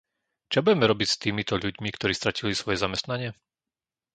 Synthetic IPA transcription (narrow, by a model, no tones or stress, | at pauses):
t͡ʃabuɟɛmɛɾɔbicst̪iːmit̪ɔʎuɟmikt̪ɔɾiːst̪ɾacilisʋɔjɛzamɛst̪naɲɪɛ